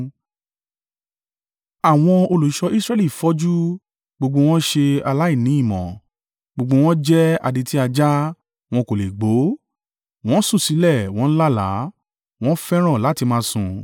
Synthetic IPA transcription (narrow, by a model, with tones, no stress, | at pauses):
a˨w̃ɔ̃˧o˧lo˨i˨˦ʃɔ˧i˦sɾɛ˦li˦˨fɔ˦d͡ʒu˦ | ɡ͡bo˧ɡ͡bo˧w̃ɔ̃˦ʃe˧a˧la˦i˦˨nĩ˨˦i˦˨mɔ̰̃˨ | ɡ͡bo˧ɡ͡bo˧w̃ɔ̃˦d͡ʒɛ˦a̰˧di˧ti˦a˧d͡ʒa˦ | w̃ɔ̃˧ko˨le˨ɡ͡bo˨˦ | w̃ɔ̃˦sũ˦˨si˨˦lɛ˦˨w̃ɔ̃˨˦la˦la̰˨˦ | w̃ɔ̃˦fɛ˦ɾ̃ɔ̃˦˨la˨˦ti˧mãː˦sũ˧